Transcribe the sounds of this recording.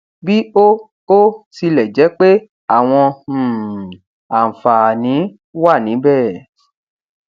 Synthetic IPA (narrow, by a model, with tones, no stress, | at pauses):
bi˦o˦ | o˦si˧lɛ˨d͡ʒɛ˨˦k͡pe˦ | a˦˨w̃ɔ̃˧˨ | a˨fa˨nĩ˨˦ | wa˦˨nĩ˨˦bɛ˦˨